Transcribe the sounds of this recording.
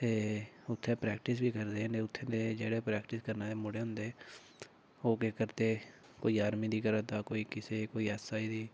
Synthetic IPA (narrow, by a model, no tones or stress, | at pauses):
t̪eːʊt̪ʰːeːpɾɛːkʈɪsbiːkəɾd̪eːneːʊt̪ʰːeːneːd͡ʒeːɽeːpɾɛːkʈɪskəɾnaːd̪eːmʊɽeːɦʊ̃nd̪e | oːkekəɾt̪eː | koːiːaːɾmiːd̪iːkəɾət̪aːkoːiːkɪseːkoːiːɛːsaːiːd̪iː